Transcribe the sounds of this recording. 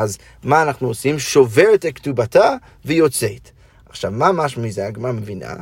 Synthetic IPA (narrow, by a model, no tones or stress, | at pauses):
az | maːnaχnuosimʃoveʁetektubata | vejot͡set̪ | aχʃavmamaʃmizaɡmamevina̰